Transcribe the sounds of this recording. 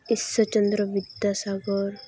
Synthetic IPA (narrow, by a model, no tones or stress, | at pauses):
isət͡ɕənd̪ɾəʋid̪jasaɡɔɾ